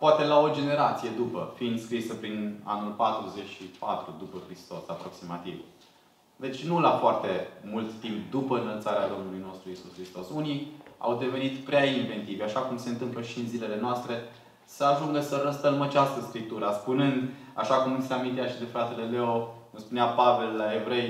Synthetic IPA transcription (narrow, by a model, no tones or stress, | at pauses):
poat̪e̞lao̞d͡ʒe̞ne̞ɾat̪sije̞d̪upəfind̪skɾisəpɾina̰nulpat̪ɾuze̞t͡ʃʲʃipa̰t̪ɾud̪upəkɾist̪o̞sapɾo̞ksimat̪ḭv | d̪e̞t͡ʃʲnulafoart̪e̞mult̪ːimpd̪upəɨnəlt̪saɾead̪o̞mnulujno̞st̪ɾuisuskɾist̪o̞sunia̰wd̪e̞ve̞nit̪pɾeainve̞nt̪ivaʃakumse̞ɨnt̪ɨmpləʃiɨnzile̞le̞noast̪ɾe̞ | səaʒuŋɡəsəɾəst̪əlməat͡ʃast̪əskɾip̚t̪uɾəspunɨnd̪ | a̰ʃakumniseamint̪eaʃid̪e̞fɾat̪e̞le̞le̞okumspuneapave̞lːae̞vɾe̞j